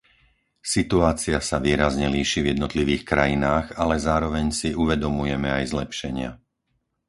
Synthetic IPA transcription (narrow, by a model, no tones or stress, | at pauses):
sit̪uaːt͡siasaʋiːɾazɲɛliːʃivjɛd̪nɔt̪liʋiːxkɾajinaːɣalɛzaːɾɔʋɛɲsiʔuʋɛd̪ɔmujɛmɛajzlɛpʃɛɲɪa̰